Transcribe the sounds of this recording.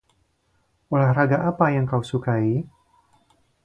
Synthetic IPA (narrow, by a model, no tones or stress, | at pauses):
olahraɡaʔapajaŋkawsukai